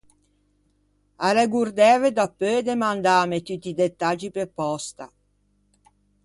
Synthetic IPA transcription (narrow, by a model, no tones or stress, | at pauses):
aleɡuɾd̪ɛːved̪apːød̪emand̪aːmet̪ut̪ːid̪et̪ːad͡ʒipepːɔst̪a